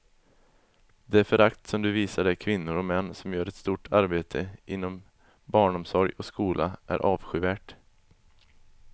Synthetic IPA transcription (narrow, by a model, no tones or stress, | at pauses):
d̪ɛæɾfœɾakt̪sɔmd̪ɵviːsaɖɛkʰvɪnːʊɾɔmɛnːsɔmjœːɾɛt̪st̪uːʈʰaɾbeːt̪ʰəʔɪnːɔm | bɑːɳɔmsɔɾjɔskuːlʔa̰ʔæ̰ɾʔɑːvɧʏːvæːʈ